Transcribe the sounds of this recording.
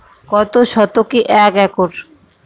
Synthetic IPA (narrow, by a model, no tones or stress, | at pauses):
kɔt̪oʃɔt̪okiʔɛkɛkoɾ